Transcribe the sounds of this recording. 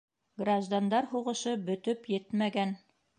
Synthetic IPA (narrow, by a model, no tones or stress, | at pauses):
ɡraʒd̪and̪ɑɾhuʁɤ̆ʃɤbɵ̆t̪ɵpjɘt̪mæɡæn